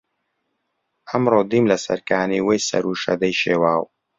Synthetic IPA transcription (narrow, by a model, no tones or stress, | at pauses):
ɐmɾoːd̪iːmlɐsɐ̰ɾkaːniːwejsɐ̰ɾuːʃɐ̰d̪ɐjʃeːwaːw